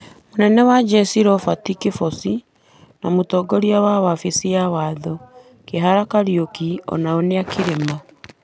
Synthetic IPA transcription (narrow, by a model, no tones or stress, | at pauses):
monɛnɛwad͡ʒɛsiɾɔfatikifɔsi | namotɔɡɔɾiawawafesiawaːðɔ | keɦaɾakaɾiokiɔ̰naoneakeɾema